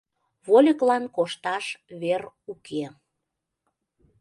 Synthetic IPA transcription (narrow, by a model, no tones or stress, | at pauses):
βolʲəklɑnkoʃt̪ɑʃβer | ukʰe